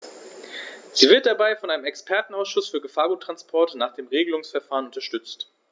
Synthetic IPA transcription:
z̥iːvɪɐt̚d̥abaɪfɔnʔaɪnəmɛkspʰɛɐtn̩aʊsʃʊsfyːɐɡəfaːɐɡuːtːʁ̥anspʰɔɐtnaːχd̥eːmʁeːɡəlʊŋsfɛɐfaːʁənʊntɐʃtʏt͡st

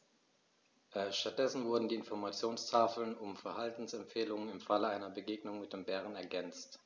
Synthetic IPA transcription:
ʔɛʃtat̚d̥ɛsn̩vʊɐdn̩diːɪnfɔɐmat͡sjoːnstʰaːfl̩nʊmfɛɐhaltn̩sɛmpfeːlʊŋənɪmfaləaɪnɐbəɡeːɡnʊŋmɪt̚d̥eːmbɛːʁ̞ənɛɐɡɛnt͡st

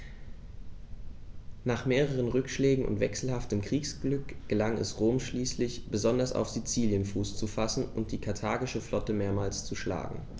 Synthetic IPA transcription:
naːχmeːʁəʁ̞ənʁʏkʃlɛːɡŋ̩ʊ̰ntv̥ɛksl̩haftəmkʁ̥iːksɡ̥lʏkɡ̥əlaŋɛ̰sʁoːmʃliːslɪçb̥əzɔndɐsa̰ʊfz̥it͡siːljənfuːst͡sufasn̩ʊnt̚d̥iːkʰaɐtʰaːɡɪʃəflɔtəmeːɐmaːlst͡suʃla̰ːɡŋ̩

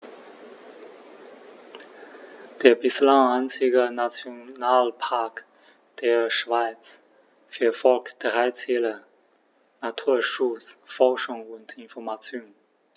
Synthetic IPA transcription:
d̥eːɐbɪslaŋaɪnt͡sɪɡənat͡sjonaːlpʰaɐk | d̥eːɐʃv̥aɪt͡s | fyːɐfɔlkd̥ʁaɪt͡sɛːlə | natʰuːɐʃʊt͡sfɔɐʃʊŋʊntʰɪnfɔɐmat͡sjoːn

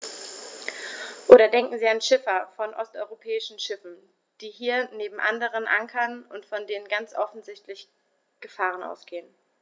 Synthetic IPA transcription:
ʔoːɾɐdɛŋkŋ̩ziːanʃɪfɐfɔnʔɔ̰stʔɔʏʁopʰɛːɪʃn̩ʃɪfn̩ | d̥iːɦiːɐneːbm̩ʔandəʁ̞ənʔaŋkʰɐnʔʊntfɔndeːnənɡant͡sʔɔfn̩zɪçtlɪç | ɡ̥əfaːʁənʔa̰ʊsɡ̥eːən

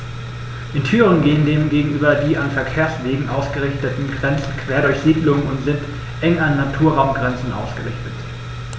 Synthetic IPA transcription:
ʔɪntʰyːʁənɡeːəndeːmɡeːɡŋ̩ʔyːbɐdiːanfɛɐkʰeːɐsv̥eːɡŋ̩ʔaʊsɡ̥əʁɪçtətn̩ɡʁɛnt͡sn̩kʰv̥eːɐɾʊɐçz̥iːdlʊŋənʊntz̥ɪnt | ʔɛŋanːatʰuːɐʁaʊmɡʁɛnt͡sn̩ʔa̰ʊsɡ̥əʁɪçtət

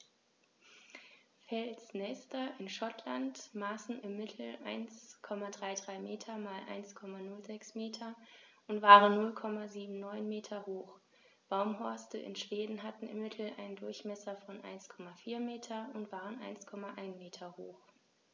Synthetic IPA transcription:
fɛlsnɛːstɐʔɪnʃɔtlantmaːsn̩ɪmːɪtʰl̩ʔaɪnskʰɔmadʁaɪdʁaɪmeːtʰɐmaːlʔa̰ɪnskʰɔmanʊlzɛksmeːtʰɐʔʊntv̥aːʁənːʊlkʰɔmaziːbm̩nɔʏnmeːtʰɐhoːχ | b̥aʊmɦɔɐstəʔɪ̰nʃv̥eːdn̩ɦatn̩ɪ̰mːɪtʰl̩ʔa̰ɪndʊɐçmɛsɐfɔnʔa̰ɪnskʰɔmafiːɐmeːtʰɐʊntv̥aːʁənʔa̰ɪnskʰɔmaʔaɪnmeːtʰɐhoːx

